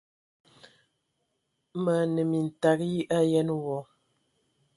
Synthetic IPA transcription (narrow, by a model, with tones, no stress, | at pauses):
mə˨nə˨mi˨n̩˨ta˨kji˦ʔa˦jɛ˦n˦wɔ˨